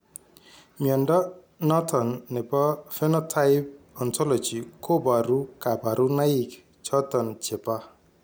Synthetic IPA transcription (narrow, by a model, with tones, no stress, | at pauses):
mijɔ˨ndɔ˦ | nɔ˦tʰɔ˨nːɛ˨bɔ˦fɛ˦nɔ˦tʰa˦ɪp̚ | ɔ˨ntʰɔ˦lɔ˨d͡ʒi˨kʰo˦ba˨ɾu˦ka˨ba˨ɾu˦na˦i˨k | t͡ʃɔ˦t̪ɔ˨nt͡ʃe˨pa˦